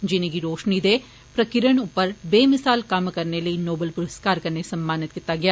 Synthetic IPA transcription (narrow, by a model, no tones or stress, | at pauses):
d͡ʒɪneɡiɾoːʃnid̪e | pɾɐkɪɾəɽ̃ʊpəɾbeːmɪsaːlkamkɐɾnelɐinoːbəlpʊɾəskaːɾkɐɾnesɐ̃mbaːnɪt̪kit̪aɡɐjaː